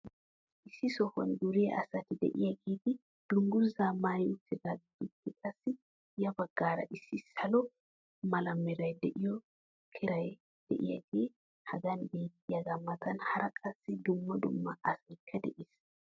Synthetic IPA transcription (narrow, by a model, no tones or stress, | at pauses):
ʔɪsːɪsɔkɔnɡ̪ʊɾɪjɐʔɐsɐt̪ɪd̪ɛ̰ʔɪjɐɡiːt̪ɪ | d̪̥ʊŋɡʊzamajʊt̪ːɪɡɐt̪ʊt̪ːɪkʼɐsːɪ | jɐbɐɡ̥ːaːɾɐ̰ʔɪsːɪsɐlɔ | mɐlɐmːɛɾɐjd̪ɛʔɪjɔ | kʰɪɾɐj | d̪̥ɛ̰ʔɪ̰jɐɡe | hɐɡɐnbeːkʼːɪjɐɡɐmːɐt̪ɐnhɐɾɐkʼɐsːɪd̪ʊmːɐd̪ʊ̰mːɐɐsɐjkʰːɐd̪ɛ̰ʔɪs